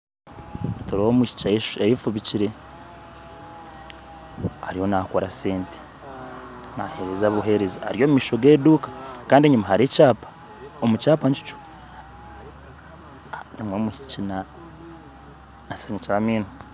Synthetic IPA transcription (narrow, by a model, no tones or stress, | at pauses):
toɾoomiʃi̥aʃejifuβiciɾe̞ | aɾiho̞nakoɾaseːnte̥ | nahe̞ɾezaβuɦe̞ɾezaa̰ɾijoːmumiːʃo̞ɡeːduːkḁkaːndieɲumaɦaɾecaːpḁ | omut͡ʃaːpaɲt͡ʃi̥t͡ʃu̥ | nimwomwiʃi̥cina | siniciɾamiːnu